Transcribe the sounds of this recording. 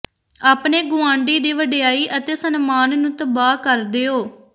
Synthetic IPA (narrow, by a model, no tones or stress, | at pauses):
aːpɳeːɡʊãːɳɖiːd̪iːʋəɖejaːiːʔət̪eːsənmaːnnũːt̪əbaːkəɾd̪eːoː